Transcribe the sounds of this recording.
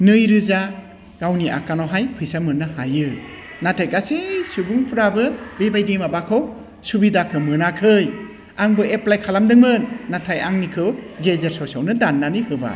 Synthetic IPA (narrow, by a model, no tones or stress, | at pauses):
nɯjɾɯza | ɡ̥awniʔa̰kanɔɦajpʰɯjsamɯnːɯhajɯ | natʰajkasesubuŋpʰuɾabɯbebajdimabakʰow | subidakʰɯmɯnakʰɯj | aŋbɯʔeplajkʰalamdɯŋmɯnːatʰajaŋnikʰɯwɡezeɾsɔsawnɯdanːanihɯba̰